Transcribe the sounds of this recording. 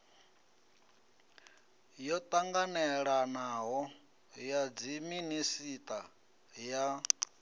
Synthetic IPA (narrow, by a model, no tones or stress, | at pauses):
jɔt̪ʼaŋɡanɛɺanaɦɔ | jad͡ziminisit̪ʼa | ja